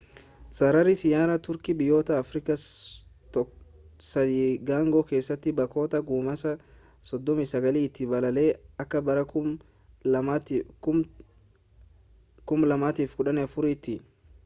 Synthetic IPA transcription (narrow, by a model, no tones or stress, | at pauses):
sɐɾɐɾɪsɪjaːɾɐt̪ʊɾkɪbɪjo̞ːt̪ɐːfɾɪkɐt̪ | sɐd̪iːɡaːŋɡoke̞ːsːɐt̪ːɪbɐko̞ːt̪ɐɡuːmɐsɐ | sɔd̪ːɔmɪsɐɡɐliːɪt̪ːɪbɐlɐleːɐkːɐbɐɾɐ | kʊmlɐmaːt̪iːfɡʊᶑɐnɛfʊɾɪːt̪ːɪ